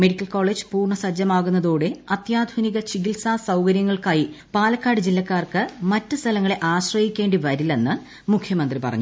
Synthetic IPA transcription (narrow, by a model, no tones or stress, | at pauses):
me̞ɽikʲːɐlko̞ːɭːeːd͡ʑɨpuːrɳɐsɐd͡ʑɐmaːɣunːɐðo̞ːɽeɐt̪jaːd̪ʱwɐniɣɐt͡ɕiɡilsaːsɐwkɐɾjɐŋːɐɭkaːjipaːlɐkːaːɽɨd͡ʑilːɐkːaːrkɨmɐtːɨst̪ʰɐlɐŋːɐɭe̞ʔaːɕrɐhikʲːe̞ːɳɖiʋɐɾilːe̞nːɨ | mukʰjɐmɐnd̪ripɐrɐ̰ɲːu